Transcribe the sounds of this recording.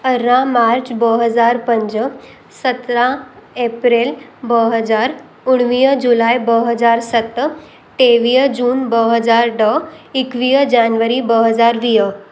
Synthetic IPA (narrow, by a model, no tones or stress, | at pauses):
əɾãmaɾt͡ɕbəɦəd͡zaɾpəɲd͡ʑə | sət̪ɾãepɾelbəɦəd͡zaɾ | uɽ̃ʋijəd͡ʑulajbəɦəd͡zaɾsət̪ː | ʈ̪eʋijəd͡ʑuːnbəɦəd͡zaɾɖəikʋijəd͡ʑanʋəɾibəɦəd͡zaɾʋijə